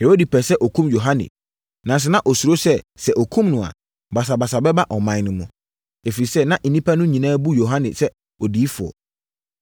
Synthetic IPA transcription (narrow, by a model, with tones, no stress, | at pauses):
he˨ho˦di˨pʰɛ˨sɛ˦ʔɔ˨kʰũ˦mjo˨ɦã˦nɪ̰˨ | nã˨s̬ɛ˦nã˦ʔɔ˨su˨ɾo˦sɛ˦sɛ˨ʔɔ˨kʰũ˦mnʊ̃˨a̰˨ | ba˨s̬a˨ba˨sa˨bɛ˦ba˦ʔɔ˨mã˨˦nʊ̃˨mũ˨ | e˨fi˨ɾi˨sɛ˦nã˦ʔn̩˨nĩ˦pʰa˦nʊ̃˦ɲĩ˨nãː˦bu˦jo˨ɦã˦nɪ̰̃˨sɛ˦ | ɔ˨diː˨˦fʊ˨ɔ̰˨